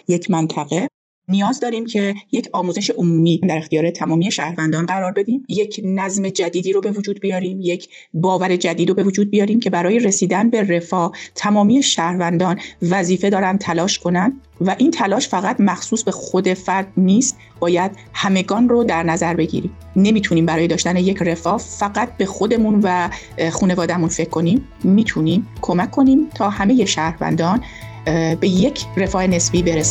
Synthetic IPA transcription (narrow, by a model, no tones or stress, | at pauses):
je̞cʰmænt̪ʰæɣe̞ | nijɒːzd̪ɒːɾiːmcʰe̞jecʰɒːmuːze̞ʃeʔomuːmiːmd̪æɾe̞xt̪ijɒːɾe̞t̪ʰæmɒːmiːe̞ʃæːhɾvænd̪ɒːnɢæɾɒːɾbe̞d̪iːmje̞cʰnæzme̞d͡ʒæd̪iːd̪iːɾobe̞vod͡ʒuːd̪̚bijɒːɾiːmjecʰ | bɒːvæɾe̞d͡ʒæd̪iːd̪obe̞vod͡ʒuːd̪̚bijɒːɾiːmcʰe̞bæɾɒːje̞ɾe̞siːd̪ænbe̞re̞fɒːt̪ʰæmɒːmiːeʃæːhɾvænd̪ɒːnvæziːfe̞d̪ɒːɾæn̚t̪ʰælɒːʃkʰo̞nænd̪ | væʔiːnt̪ʰælɒːʃfæɣæt̪mæxsuːsbe̞xo̞d̪e̞fæɾd̪niːst̪̚ | b̥ɒːjæd̪̥ | hæme̞ɡɒːnrod̪æɾnæzæɾbe̞ɡḭɾiːm | ne̞miːt̪ʰuniːmbæɾɒːje̞d̪ɒːʃt̪æne̞je̞cʰre̞fɒːfæɣæt̪̚ʰbe̞xo̞d̪e̞munvæ | xuːne̞vɒːd̪æmunfe̞kʰkːo̞niːmː | iːt̪ʰuniːmkʰo̞mækʰːo̞niːmt̪ʰɒːhæme̞je̞ʃæːhɾvæ̰nd̪ɒːn | be̞je̞cʰre̞fɒːene̞sbiːbe̞ɾes